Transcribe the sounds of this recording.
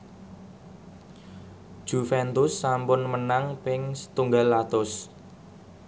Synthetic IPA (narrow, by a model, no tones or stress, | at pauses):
ʒ̥ṳfɛnt̪ʊsːampʊnmənaŋpɪŋsə̥t̪uŋɡalːat̪ʊs